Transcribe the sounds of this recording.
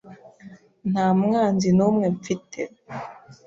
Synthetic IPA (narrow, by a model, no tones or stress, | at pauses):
n̥amŋanzinomwɛp͡fitʰɛ